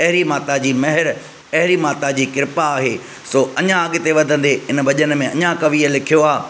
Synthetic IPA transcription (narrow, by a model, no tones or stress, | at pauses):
ɐɦɪɾimaːt̪ad͡ʑiːmɐɦɪɾ | ɐɦɪɾimaːt̪ad͡ʑiːkɪɾɪpaːɦeː | soːɐɲãɐɠɪt̪eʋɐd̪ʱə̃nd̪eɪnbɐʄənmẽɐɲãkɐʋiːəlɪkʰijoaː